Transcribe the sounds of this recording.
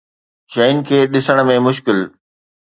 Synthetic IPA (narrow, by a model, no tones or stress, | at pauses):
ʃɐɪnkʰeːɗɪsəɽ̃̆mẽmʊʃ̬kɪl